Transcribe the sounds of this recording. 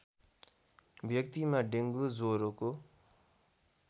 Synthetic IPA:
bjʌk̚t̪imaɖeŋɡud͡zoɾoko

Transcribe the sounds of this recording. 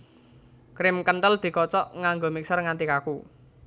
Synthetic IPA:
kɾɪmkənt̪əld̪̥i̤kɔt͡ʃɔʔŋaŋɡomik̚sərŋant̪ikaku

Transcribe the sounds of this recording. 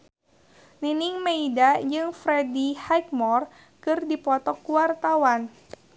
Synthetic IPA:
ninɪŋmeidad͡ʒɨŋfɾedihajk̚mɔr | kɨrdipɔt̪ɔkuwart̪awan

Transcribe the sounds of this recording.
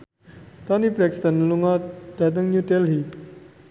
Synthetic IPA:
t̪ɔnibɾɛkst̪ənluŋɔd̪̥a̤t̪̬əŋɲudɛlhi

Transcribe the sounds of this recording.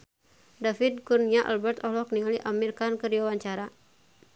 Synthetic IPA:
dafid̚kuniaʔa̰lbɛrt̪ɔɦlɔk̚niŋaliʔamilkankərdiwawaɲt͡ʃaɾa

